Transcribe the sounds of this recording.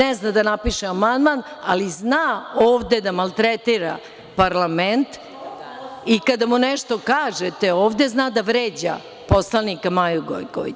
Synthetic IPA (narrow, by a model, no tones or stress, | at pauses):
eznad̪anapiʃeamand̪mana̰liznaoːʋd̪ed̪amalˠt̪ɾet̪iɾa̰ | paɾlˠament̪ | ikad̪amuneʃt̪o̞kaːʒet̪eoːʋd̪eznaːd̪aʋɾeːd͡ʑa̰ | po̞slˠanikamajuɡo̰jko̰ʋḭ